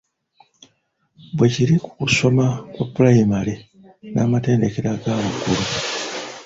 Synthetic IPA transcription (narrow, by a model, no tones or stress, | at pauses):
bwe̞ciɾiku̥kuso̞makwaplajimale | naːmate̞ːnde̞ke̞ɾaɡaːβukuɾu